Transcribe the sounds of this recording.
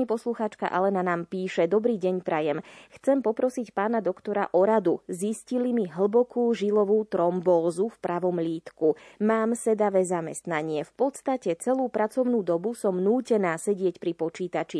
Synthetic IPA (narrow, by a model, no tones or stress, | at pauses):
ɲipɔsluxaːt͡ʃka̰ʔa̰lɛnanaːmpiːʃɛd̪ɔbɾiːɟɛɲpɾajɛmxt͡sɛmpɔpɾɔsicpaːnad̪ɔkt̪ɔɾa̰ʔɔɾad̪uziscilimiɦl̩bɔkuːʒilɔʋuːt̪ɾɔmbɔlzufpɾaʋɔmʎiːt̪kumaːmsɛd̪aʋɛːzamɛst̪naɲɪɛfpɔt̪st̪acɛt͡sɛluːpɾʔat͡sɔʊnuːd̪ɔbusɔmnuːcɛnaːsɛɟɪɛcpɾipɔt͡ʃiːt̪at͡ʃi